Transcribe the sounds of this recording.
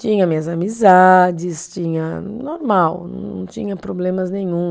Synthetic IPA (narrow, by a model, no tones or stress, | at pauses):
t͡ʃĩɲɐmĩɐzamizad͡ʒɪst͡ʃĩɲɐnoɾmawnɐ̰̃w̃nɐ̰̃w̃t͡ʃĩɲɐpɾoblẽmɐznẽjɲũ